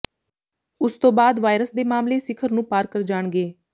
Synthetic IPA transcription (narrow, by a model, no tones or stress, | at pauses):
ʊst̪õːbaːd̪ʋaːɪɾəsd̪eːmaːmleːsɪkʰəɾnũːpaːɾkəɾd͡ʒaːɳɡeː